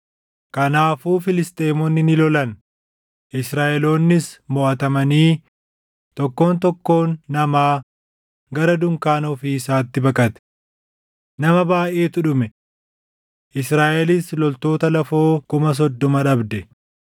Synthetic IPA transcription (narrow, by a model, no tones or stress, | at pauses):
kɐnaːfuːfɪlɪst̪ʼe̞ːmɔnːɪnɪlɔlɐn | ʔɪsɾaːʔɛlo̞ːnːɪsmɔʔɐt̪ɐmɐniː | t̪ɔkːo̞ːnt̪ɔkːo̞ːnːɐmaː | ɡɐɾɐd̪ʊŋkaːnoːfiːɪsaːt̪ːɪbɐkʼɐt̪ɛ̥ | nɐmɐbaːʔeːt̪ʊᶑʊmɛ | ʔɪsɾaːʔɛlɪslɔlt̪o̞ːt̪ɐlɐfo̞ːkʊmɐs̬ɔd̪ːɔmɐᶑɐbd̪ɛ